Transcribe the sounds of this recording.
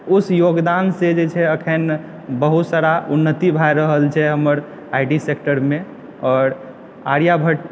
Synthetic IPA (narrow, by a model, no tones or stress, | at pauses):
usjoɡd̪ansed͡ʒet͡ʃʰɛəkʰən | bəɦut̪saɾaunːət̪ibʱajɾəɦəlt͡ʃʰɛɦəməɾ | aiʈisekʈəɾme | ɔːɾ | a̰ɾjabʱəʈ